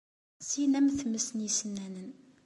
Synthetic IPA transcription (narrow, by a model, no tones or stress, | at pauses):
sinæmθməsnisənːænən